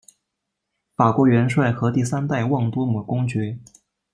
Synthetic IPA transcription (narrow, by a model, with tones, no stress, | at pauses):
fa˨˩kwɔ˧˥ɥɛ˧˥nʂwa˥˩ɪxɤ˧˥t̪i˥˩sa˥nt̪a˥˧ɪwɑ˥˩ŋt̪wɔ˥mu˨˩kʊ˥ŋt͡ɕɥɛ˧˥